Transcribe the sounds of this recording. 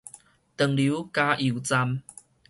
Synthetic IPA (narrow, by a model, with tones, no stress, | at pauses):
t̪ə˨˩ŋlu˨˦ka˦ʔi˨˩˨t͡sa˧m